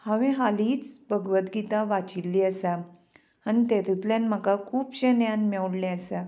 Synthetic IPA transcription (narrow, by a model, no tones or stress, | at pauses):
haʋẽɦaliːt͡sbəɡʋət̪ɡit̪aʋat͡ɕilːiːəsa | anit̪eɾut̪ljanməkakʰuːpɕenjãnmɛwɽleəsa